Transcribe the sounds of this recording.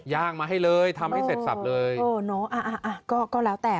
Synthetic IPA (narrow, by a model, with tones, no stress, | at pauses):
jaː˥˩k̚maː˧ɦa˥˩jlɤː˧jt̪ʰa˧mha˥˩jse˨˩t̪̚sa̰˨˩p̚lɤː˧jɤː˧nɔ˦˥ʔa˧˩ʔa˧˩ʔa˧˩kɔː˥˩kɔː˥˩lɛː˦˥wt̪ɛː˨˩